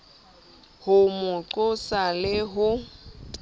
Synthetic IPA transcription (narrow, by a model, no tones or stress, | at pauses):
hʊmʊǃʊsalɪɦʊ